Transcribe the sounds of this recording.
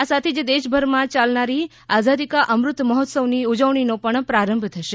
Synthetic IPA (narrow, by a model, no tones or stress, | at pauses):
asat̪ʰed͡ʒed̪eʃbʱəɾmãt͡ʃalnaɾi | azad̪ikaʔəmɾʊt̪məɦɔt̪səʋniud͡ʒəʋɳ̃inopəɳpɾaɾəmbʱt̪ʰəʃe